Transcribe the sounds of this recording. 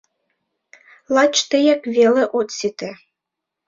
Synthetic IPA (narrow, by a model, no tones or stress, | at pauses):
lˠɑt͡ɕt̪ĕjekveleʔot̪sit̪e